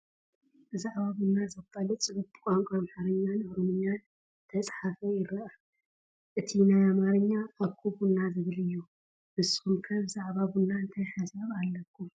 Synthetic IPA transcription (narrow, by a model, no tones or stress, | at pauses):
bɨzaʕβaβunːazɐkʼːɐlɐt͡sʼɨβutkʼaŋkʼamħaɾɨɲːanɨɾomɨɲːan | t̪ʰɐt͡sʼħafɐjɪɾɐa | ʔɨt̪ʰinajamaɾɨɲːaːβkʰːuβunːazɨβlɨjːu | mɨsɨ̥xumkʰɐβɨzaʕβaβunːant̪ʰɐʃasɐβalːɐkʰːum